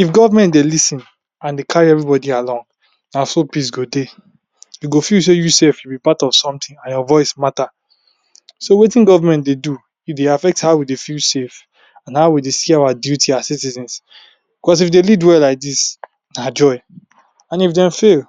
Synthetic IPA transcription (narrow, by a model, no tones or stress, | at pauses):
ifɡɔvamɛ̃ntdelisĩn | ãndekʰaɹiɛvɹibɔdialɔ̃ŋ | nasopis̬ɡode | juɡofils̬ejusefjubipatɔv̥sɔ̃mtʰĩŋãnjɔvɔɪsmata | sowetĩnɡɔvamɛ̃ntdedu | judeafɛk̚thaʊwidefilsef | ãnhaʊwidesiawadjutiasitizɛ̃ns | b̥ikɔs̬ifdelidwɛlːaɪk̚dis | nad͡ʒɔɪ | ãnifdɛ̃ɱfel